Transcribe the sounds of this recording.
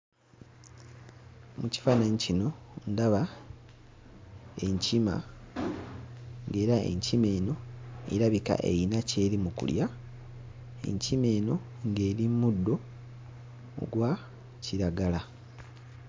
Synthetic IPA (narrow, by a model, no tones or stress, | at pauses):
muci̥fanaɲicino̞ndaβa | eɲcima̰ | ŋɡe̞ːɾae̞̰ɲcime̞ːno̞ḛɾaβika̰ʔe̞̰jinace̞ːɾimukṵlja | ḛɲcime̞ːno̞ | ŋɡe̞ːɾimudːo̞ | ɡwa | ciɾaɡala